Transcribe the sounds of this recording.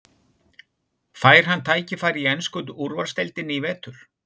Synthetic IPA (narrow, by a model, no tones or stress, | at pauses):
faːjɾ̥ɦanːt̪ʰaːjcɪfaːjɾiɛnskʏt̪̬ʔuɾvaɾ̥st̪ɛlt̪ɪnːivɛːt̪ʏɾ̥